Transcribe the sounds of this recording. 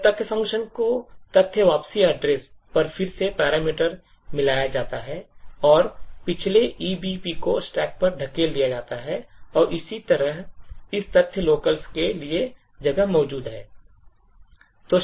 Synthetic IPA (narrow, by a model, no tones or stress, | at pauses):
t̪ɐt̪ʰjəfɐ̃ŋkʃənkot̪ɐt̪ʰːjəʋaːpsiəɖɾeːspɐɾfɪɾsepɛːɾaːmiːʈəɾ | mɪlaːjad͡ʒaːt̪aɦɛɔːɾpɪt͡ʃʰleʔiːbipikosʈɛːk̚pɐɾɖʱɐkeld̪ijad͡ʒaːt̪aɦɛɔːɾɪsit̪ɐɾəɦɪst̪ɐt̪ʰːjəloːkəlskelie | d͡ʒɐɡəɦmɔːd͡ʒuːd̪ɦɛː | t̪oː